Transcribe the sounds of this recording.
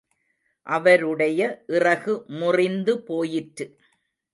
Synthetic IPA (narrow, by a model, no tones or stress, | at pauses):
ʔɐʋɐɾɯɽɐjɐʔɪrɐɣɯmʊrɪnd̪ɯpoːjɪʈɾɯ